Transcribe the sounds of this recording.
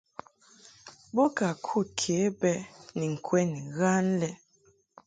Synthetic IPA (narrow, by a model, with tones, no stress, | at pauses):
bo˦ka˨kʰu˦˨t̚kʰe˨˦bɛ˦ni˨ŋ̩˨kʰwɛ˦ni˨ɣa˦n˦lɛ˦